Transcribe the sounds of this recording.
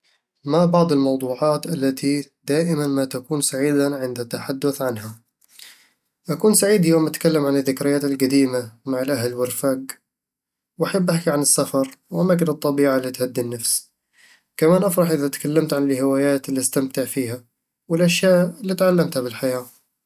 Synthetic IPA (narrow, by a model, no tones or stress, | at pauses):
mabɑʕd̪ˤɪlmɑwd̪ˤuːʕɑːt̪ʔalːat̪ʰid̪aːʔɪmanmat̪akuːnsaʕiːd̪aʕɪnd̪at̪ːaħad̪ːʊθʕanɦa | ʔakuːnsaʕiːd̪joːmʔat̪kalːamʕanɪðːɪkɾɪjaːt̪ɪlqad̪iːmamaʕɪlʔaɦlwɪrfaɡ | wʔaħabːʔaħkiʕanɪsːafɑɾˤwʔamaːkɪnɨt̪ˤːɑbiːʕalːiːt̪had̪ːinːafs | kamaːnʔafɾˤɑħʔɪðat̪kalːamt̪ʕanɪlhɪwaːjaːt̪ɪlːist̪amt̪ɪʕfiːha | wɪlʔaʃjaːʔɪlːiːt̪ʕalːamt̪habɪlħajaː